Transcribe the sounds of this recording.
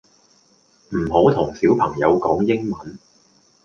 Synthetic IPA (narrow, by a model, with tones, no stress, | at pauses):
m̩˨˩ɦo˨˥wt̪ʰʊ˨˩ŋsiː˨˥wpʰɐ˨˩ŋjɐ˨˧wkɔː˨˥ŋjɪ˥ŋmɐ˨˧˦n